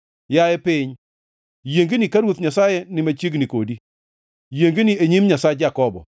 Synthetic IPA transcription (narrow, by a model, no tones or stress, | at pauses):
jajɛpɪɲ | jeŋɡenikaɾwot̪ɲasajɛnɪmat͡ʃeɡnikodi | jeŋɡenieɲimɲasajd͡ʒakɔbɔ̰